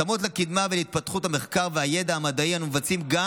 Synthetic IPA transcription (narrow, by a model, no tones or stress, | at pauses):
amot̬lekid̪mavelit̪̚pat̪χuthameχkaʁveajed̪aamad̪aianumevat͡simɡa